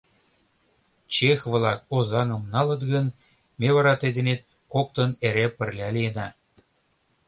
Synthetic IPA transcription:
t͡ɕexβlˠɑk̚ozɑnɤ̆mnɑlɤ̆t̪ɡə̆n | mʲeβɑɾɑt̪ed̪ʲĕnet̪̚ | kok̚t̪ɤ̆neɾʲepə̆rʲlʲɑlʲijenɑ

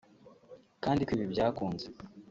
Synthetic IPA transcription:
kaːndikwiːβibɟaːkuːnze

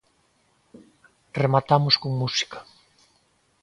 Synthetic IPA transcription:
remat̪amʊskoŋmusi̥kḁ

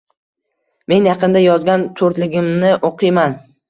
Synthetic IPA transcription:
me̞njɑqɨnd̪ajɒzɡʲant̪ʰoɾt̪lɪɡʲɪmnɪʔoqʰɨjman

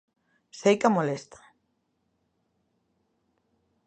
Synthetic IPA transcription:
sejkamolest̪ḁ

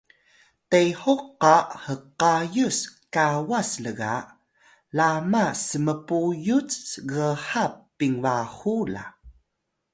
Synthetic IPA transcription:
tejhoqːahəqajuskawasləɡa̰ | lamasəməpujut͡sɣəħapːiŋvahula̰

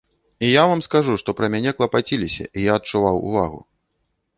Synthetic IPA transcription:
ijavamskaʐuʂt̪ɔpɾɐmʲanʲɛklˠɐpat͡sʲilʲisʲɐ̰ʔijaɐt͡ʂuvawṵva̰ɣṵ

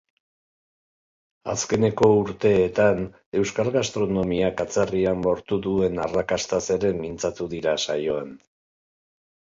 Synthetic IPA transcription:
a̰ske̞ne̞ko̞uɾt̪e̞ːt̪an | e̞wskalɣast̪ɾo̞no̞miakat͡sariambo̞ɾt̪uðue̞narakast̪ase̞ɾe̞mint͡sat̪uðiɾasajo̞en

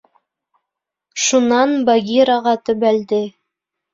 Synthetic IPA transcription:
ʃunɑnbaɡʲiɾɑʁɑt̪ɵ̆βæld̪ɘ

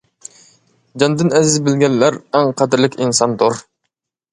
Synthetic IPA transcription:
d͡ʒɑnd̪ɪnɛzɪzbɪlɡʲɛnːæɾæŋqʰæd̪ɪɾlɪkʲinsɑnd̪oɾ

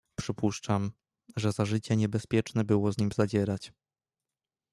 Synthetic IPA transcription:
pʂɘpuʂt͡ʂam | ʐɛzaʐɘt͡ɕɛɲɛbɛspʲjɛt͡ʂnɛbɘwɔzɲimzad͡ʑɛɾat͡ɕ

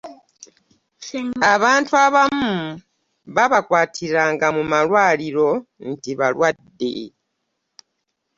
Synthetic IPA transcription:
aβaːntuaβamu | βaβakwaːtʰiɾaːŋɡamumalwaːliɾo̞n̩tiβalwadːḛ

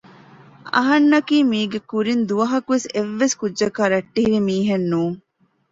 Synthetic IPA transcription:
ɐ̰ɦɐnːɐkiːmiːɡekuɾind̪uʋɐɦɐkuʋeseʋːeskudːʒɐkaːɾɐʈːiɦiɾimiːɦenːuːŋ

